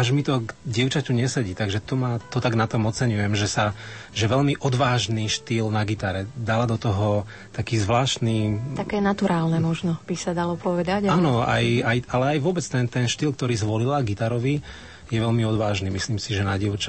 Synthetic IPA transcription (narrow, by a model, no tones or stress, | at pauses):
aʒmit̪ɔɡɟɪɛʊt͡ʃacuɲɛsɛɟiːt̪aɡʒɛt̪ɔmat̪ɔt̪aɡnat̪ɔmɔt͡sɛɲujɛmʒɛsaʒɛʋɛʎmiʔɔd̪ʋaːʒniːʃt̪iːlnaɡit̪aɾɛd̪alad̪ɔt̪ɔɦɔ | t̪akiːzʋlaːʃt̪niːakɛːnat̪uɾaːlnɛmɔʒnɔb̥isad̪alɔpɔʋɛd̪aɟanɔa̰jajalɛajʋʊɔbɛt͡st̪ɛnt̪ɛnʃt̪iːlk̚t̪ɔɾiːzʋɔlilaɡit̪aɾɔʋi | jɛʋɛʎmiɔd̪ʋaːʒniːmisliːmsiʒɛnaɟɛʊt͡ʃa